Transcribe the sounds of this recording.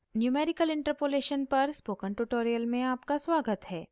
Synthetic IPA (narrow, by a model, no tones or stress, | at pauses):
njuːmeːɾɪkəlɪ̃ɳʈəɾpoːleːʃənpɐɾspoːkə̃ɳʈuʈoːɾijəlmẽaːpkasʋaːɡət̪ɦɛː